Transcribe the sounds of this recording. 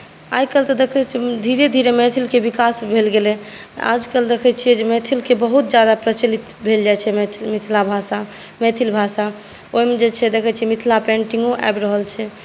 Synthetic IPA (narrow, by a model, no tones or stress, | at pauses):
ajkəlt̪əd̪ekʰɛt͡ʃʰid̪ʱiɾed̪ʱiɾemɛt̪ʰilkebikasbʱelɡelɛa̰d͡ʒkəld̪ekʰɛt͡ʃʰiɛd͡ʒemet̪ʰilkebəɦut̪̚d͡ʒjad̪apɾət͡ʃəlit̪ | bʱeld͡ʒajt͡ʃʰɛmit̪ʰlabʱasamɛt̪ʰilbʱasa | oimed͡ʒet͡ʃʰɛd̪ekʰət͡ʃʰiɛmit̪ʰlapẽɳʈiŋɡoʔa̰jbɾəɦəlt͡ʃʰɛ